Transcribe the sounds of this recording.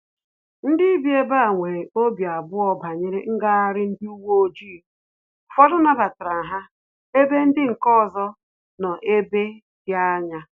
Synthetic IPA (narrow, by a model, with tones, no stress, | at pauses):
n̩˦dɪ˦i˦bje˦ba˦˨ŋʷe˨o˦bja˨bʊ˦ɔ˦ba˨ɲe˦ɾe˦ŋ̩˦ɡa˦a˦ɾɪ˦n̩˦dɪ˦u˦wo˦o˦d͡ʒi˦˨ | fɔ˦dʊ˦na˦ba˨tɾa˨ɦa˦ | e˦be˦n̩˦dɪ˦ŋ̩˨kɔ˦˨zɔ˦ | nɔ˨ʔe˦be˦ | dja˦ɲa˦